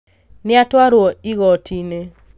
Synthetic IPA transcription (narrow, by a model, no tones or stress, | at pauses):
nɪatwaɾwoiɣɔtʰine